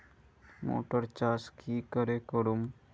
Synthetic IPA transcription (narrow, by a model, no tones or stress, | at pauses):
mo̰ːʈəɾt͡ʃaskiːkəɾekəɾum